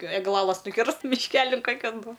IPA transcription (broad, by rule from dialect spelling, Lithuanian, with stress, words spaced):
ɛɡˈlˠɑːlˠɐs nʊˈkʲɪrst mʲɪʃʲˈkʲæːlʲɪn ˈkoːkʲɛn bʊ